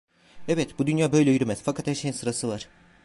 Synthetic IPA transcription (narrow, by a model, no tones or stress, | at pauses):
evɛt̪bud̪ynjaːbø̞jlʲɛjyɾymɛz̥fakʰat̪hæɾʃejinsɯɾasɯvaɾ̥